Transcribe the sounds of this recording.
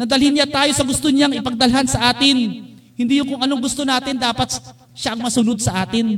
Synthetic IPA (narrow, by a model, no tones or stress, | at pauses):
nɐd̪ɐlhɪnɲat̪aːjo̞sɐɡʊst̪oɲaŋɪpɐɡ̚d̪ɐlɦansɐʔaːt̪ɪn | hɪnd̪ijʊŋkʊŋʔɐno̞ŋɡʊst̪onaːt̪ɪnd̪aːpɐt̪ | ʃaʔɐŋmɐsʊnod̪̚sɐʔaːt̪ɪn